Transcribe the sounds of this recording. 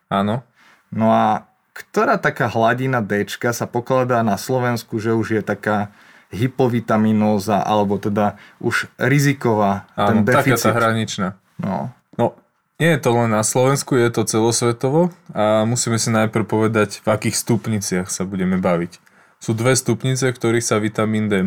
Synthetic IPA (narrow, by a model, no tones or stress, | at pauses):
aːnɔ | nɔa | kt̪ɔɾaːt̪akaːɦlaɟinad̪ɛt͡ʃkasapɔklad̪aːnaslɔʋɛnskuʒɛuʒjɛt̪akaː | ɦipɔʋit̪aminɔːzaʔa̰lɛbɔt̪ɛd̪aʔuʒɾizikɔʋaːaːɛnd̪ɛakfiat͡s̪aɦɾaɲit͡ʃnaː | nɔ̰ | nɔ | ɲɪɛjɛt̪ɔlɛnːaslɔʋɛnskujɛt̪ɔt͡sɛlɔsʋɛt̪ɔʋɔamusiːmɛsinajpr̩pɔʋɛd̪aɟvakiːxst̪upɲit͡sɪaxsabuɟɛmɛbaʋic | suːd̪ʋɛst̪upɲit͡sɛfkt̪ɔɾiːxsaʋit̪amiːnd̪ɛ